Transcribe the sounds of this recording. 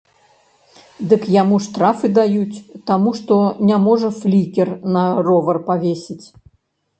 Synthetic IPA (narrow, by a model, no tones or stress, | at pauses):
d̪ɨkjamuʂt̪ɾafɨd̪ajut͡sʲt̪amuʂt̪ɔnʲamɔʐɐflʲikʲɛrnɐrɔvɐrpavʲesʲit͡sʲ